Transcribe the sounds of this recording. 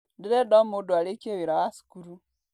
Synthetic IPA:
diɾɛdɔmodoalekeβiɾawasi̥kuɾu

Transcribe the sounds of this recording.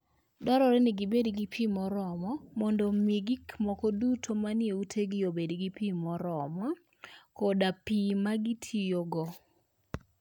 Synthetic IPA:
dɔɾɔɾɛnɪɡibedɡipʰimɔɾɔmɔmɔndomiɡikmɔkɔdutʰomanɪeutʰeɡɪjobedɡipimɔɾɔmɔ | kodapimaɡitʰijoɡɔ

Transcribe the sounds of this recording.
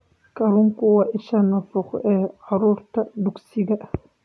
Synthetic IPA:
kaɾuŋkuwaʔiʃanafɔχɛaɾuɾt̪ad̪uksiɡa

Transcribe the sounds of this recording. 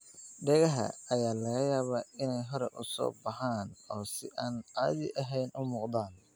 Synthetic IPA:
ɖɛɣɐɦɐ̰ɐjaːlɐɣɐjaːβaːɪnɛjɦɔɾɛʔʊsɔ̰ːbɑħaːnɔːsɪʔaːnaːðɪ̰ʔɐɦɛjnʔʊmʊːqd̪aːn

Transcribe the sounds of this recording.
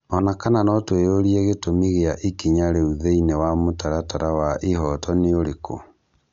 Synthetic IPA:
ɔnakananɔtwejoɾieɣetomiɣeaʔikiɲaɾeuðeinewamotaɾataɾawaʔeɦɔtɔneoɾeko̰

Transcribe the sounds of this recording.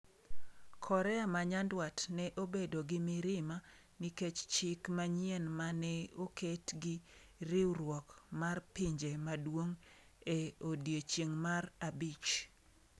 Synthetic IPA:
kʰɔɾɛamaɲandwatnɛʔobedoɡɪmɪɾɪma | niket͡ʃt͡ʃɪkmaɲjɛnmanɛokʰetɡɪ | ɾɪwɾwɔkmarpiɲd͡ʒemadwoŋ | eodjet͡ʃjeŋmarabit͡ʃ

